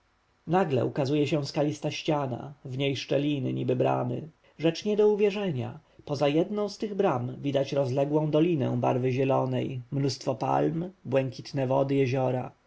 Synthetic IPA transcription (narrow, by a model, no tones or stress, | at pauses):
naɡlɛ̰ukazujɛɕɛw̃skalʲist̪aɕt͡ɕana̰vɲejʂt͡ʂɛlʲinɘ̰ɲibɘbɾa̰mɘ̰ | ʐɛt͡ʂɲɛd̪ɔuvʲjɛʐɛɲa̰pɔzajɛd̪nɔ̃w̃st̪ɘɣbɾamvʲid̪at͡ɕɾɔzlɛɡwɔ̃w̃d̪ɔlʲinɛ̰w̃ba̰ɾvɘʑɛlɔnɛjmnust̪fɔpa̰lmbwɛŋkʲʰi̥t̪nɛvɔd̪ɘjɛʑɔɾa